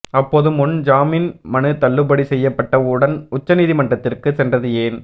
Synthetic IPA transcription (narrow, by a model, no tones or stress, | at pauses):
ɐpːoːðɯmʊnd͡ʒaːminmɐnɯt̪ɐɭːɯbɐɽisɛjːɐpːɐʈːɐʊɽɐnʊt͡ʃːɐniːðimɐɳɖrɐt̪ːɪrkɯsɛndrɐðɯeːn